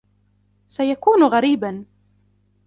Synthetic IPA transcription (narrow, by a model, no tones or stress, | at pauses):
sajakuːnɣaɾiːban